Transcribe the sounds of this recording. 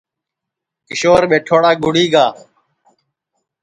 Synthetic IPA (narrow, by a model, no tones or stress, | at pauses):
kɪʃoːɾɓeːʈʰoːɽaːɡʊɽiːɡaː